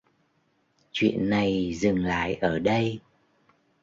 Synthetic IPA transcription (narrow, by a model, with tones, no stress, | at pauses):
t͡ɕwḭ˧˨ənːa˨˩jzɨ˨˩ŋla̰ː˧˨jʔəː˧˩ɗə˧j